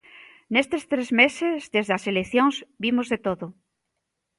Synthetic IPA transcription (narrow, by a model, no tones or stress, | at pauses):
nest̪est̪ɾezmesezðezðɐselekθjoŋzbimozðet̪oðʊ